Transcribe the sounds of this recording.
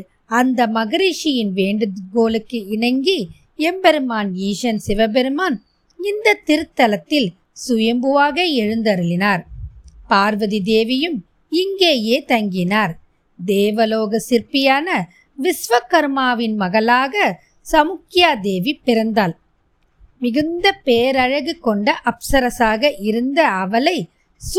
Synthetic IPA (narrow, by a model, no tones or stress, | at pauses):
ɐnd̪ɐmɐɣɐɾiːʂɪjɪnʋeːɳɖɯɣoːlɯkːɯɪɳɐŋɡi | ɛmbɛɾɯmaːnjiːʂɐnsɪʋɐbɛɾɯmaːn | ɪnd̪ɐt̪ːɪɾɯt̪ːɐlɐt̪ːɪl | sʊjɐmbɯʋaːɣɐɛɻɯnd̪ɐɾɯlɪnaːɾpaːɾʋɐðid̪eːʋɪjɯm | ɪŋɡeːjeːt̪ɐŋɡɪnaːɾ | d̪eːʋɐloːɣɐsɪɾpɪjaːnɐ | ʋɪsʋɐkɐɾmaːʋɪnmɐɣɐlaːɣɐ | sɐmʊkːɪjaːd̪eːʋipːɪɾɐnd̪aːl | mɪɣɯnd̪ɐpeːɾɐɻɐɣɯkːɔɳɖɐʔɐpsɐɾɐsaːɣɐʔɪɾɯnd̪ɐɐʋɐlɐɪ | s